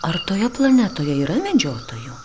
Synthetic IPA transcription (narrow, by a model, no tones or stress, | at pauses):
ɐrt̪oːjɛplˠɐnʲɛt̪oːjɛiːɾɐmʲɛd͡ʒʲoːt̪oːju